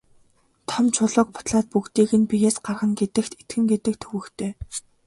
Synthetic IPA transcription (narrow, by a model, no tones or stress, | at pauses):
t̪ʰɔmt͡ɕʰʊɮʊ̆ːk̚pʰʊ̥t̪ɮaːt̪̚pukt̪iːɣɘ̆npijeːsɢarʁə̆ŋɡet̪ɘ̆xt̪et̪ɡɘ̆ŋɡet̪ɘ̆kt̪ʰɵwɘ̆kt̪ʰeː